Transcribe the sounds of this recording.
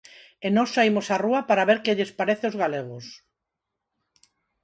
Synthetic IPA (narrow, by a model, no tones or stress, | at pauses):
enɔsajmosaruɐpaɾaβeɾkeʎespaɾeθeozɣaleɣ̞ʊs